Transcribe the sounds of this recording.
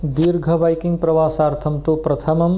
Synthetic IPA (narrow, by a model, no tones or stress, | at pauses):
d̪iɾɡʱɐbajkiŋɡ̚pɾɐʋaːsaːɾt̪ʰɐmt̪opɾɐt̪ʰɐmɐm